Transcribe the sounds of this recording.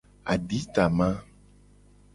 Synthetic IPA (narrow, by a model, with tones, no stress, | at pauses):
a̰˨ɖi˦t̪a˨mã˦